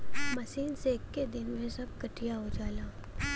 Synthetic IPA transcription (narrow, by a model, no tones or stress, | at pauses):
mɐʃiːnsekːed̪ɪnmẽsɐb̚kɐʈijaɦod͡ʒaːlaː